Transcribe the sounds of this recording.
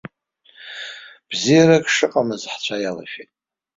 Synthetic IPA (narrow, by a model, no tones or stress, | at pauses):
b̥zijaɾakʼʂɨqʼamɨzħt͡ɕʷʰajala̰ʃᶣetʼ